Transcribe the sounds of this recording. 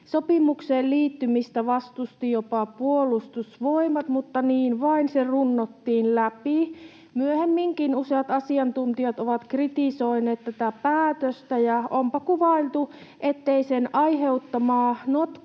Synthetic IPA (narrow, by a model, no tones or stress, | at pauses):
sopimukseːlliːt̪ːymist̪æʋɑst̪ust̪ijopɑpuolust̪usʋoimɑt̪mut̪ːɑniːnʋɑinserunːot̪ːiːnlæpi | myøhemːiŋkinuseɑt̪ɑsiɑnt̪unt̪iɑt̪oʋɑt̪krit̪isoineːt̪t̪æt̪æpæːt̪øst̪æjɑompɑkuʋɑilt̪uʔet̪ːeisenɑiheut̪ːɑmɑːnot̪